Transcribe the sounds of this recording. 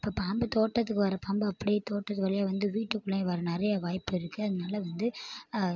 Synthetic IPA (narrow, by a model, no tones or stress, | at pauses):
ɪpːoːpaːmbɯt̪oːʈːɐt̪̬ːɯkːɯʋɐɾɐpaːmbɯɐpːɐɽɪjet̪oːʈːɐt̪ːɯʋɐlɐjaːʋɐnd̪ɯʋiːʈːɯkːɯɭːɐ̃ʋɐɾɐnɪɾɐjɐʋaːjpːɯɪɾɯkːɯɐðɐnaːlɐʋɐnd̪ɯ